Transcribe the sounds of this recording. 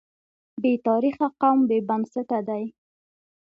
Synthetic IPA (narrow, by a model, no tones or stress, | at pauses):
bet̪ɑɾixaqawmbebansɪt̪ad̪aj